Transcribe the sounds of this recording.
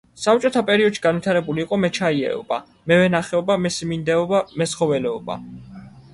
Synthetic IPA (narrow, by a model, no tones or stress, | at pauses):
sap̚t͡ʃʼɔt̪ʰapʼɛɾiɔd̪ʃi̥ɡanvit̪ʰaɾɛbuliːqʼɔmɛt͡ʃʰaiɛ̰ɔ̰b̥a̰ | mɛvɛnaχɛɔbamɛsimind̪ɛɔbamɛsχɔvɛlɛɔba̰